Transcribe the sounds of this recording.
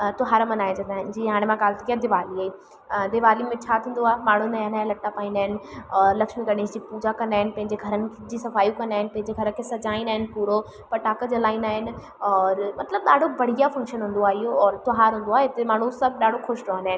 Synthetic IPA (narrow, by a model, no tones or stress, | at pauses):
t̪ʊɦaːɾmɐnaːĩt͡ɕʰɐ̃nd̪aːɦɪnɪ̆d͡ʑiːɦaːɽ̃mãkaːlt̪ʰikijad̪ɪʋaːliaːi | d̪ɪʋaːlimẽt͡ɕʰaːt̪ʰĩːn̆d̪oaːɦemaːɳ̤unajãnaːelɐʈːapaːĩnaːɦɪnɪ̆ɔːɾlɐkʃmikɐɗeːsd͡ʑiːpuːd͡ʑakɐnd̪aːɦɪnɪ̆pɐ̃ɦɪ̃ɲd͡ʑeɡʱɐɾənɪ̆ | d͡ʑiːsɐfaːjũkɐnaːɦɪnɪ̆pɐ̃ɦɪ̃ɲd͡ʑeɡʱɐɾəkʰesɐd͡ʑaːĩnaːɦɪnɪ̆puːɾo | pɐʈaːkəd͡ʑalaːinaːɦɪnɪ | ɔːɾmɐt̪ləb̚ɗaːɖʱoʋɐɽ̤ijafɐ̃ŋkʃənɦũːnd̪oaːɦijoɔːɾt̪ʊɦaːɾɦũːnd̪oaːɦet̪emaːɳ̤usɐbʱɗaːɖ̤ʱoxʊʃt̪oɦanaːɦɪ̃nɪ